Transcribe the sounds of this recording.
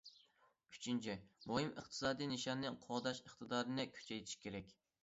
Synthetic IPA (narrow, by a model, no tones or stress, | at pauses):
y̥t͡ʃʰint͡ʃʰimoɦɨmə̰χt̪ʰɨ̥sɑːd̪ijnɨʃɑnːɨqʰoʁd̪ɑʃəχt̪ʰɨd̪ɑːɾɨnɨkʲʰy̥t͡ʃʰɛjt̪ʰi̥ʃkʲʰeɾɛkʲ